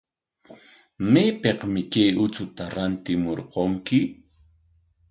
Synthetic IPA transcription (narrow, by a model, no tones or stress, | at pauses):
meːpeqmɪkajʊt͡sʊt̪aɾant̪ɪmoɾqoŋkɪ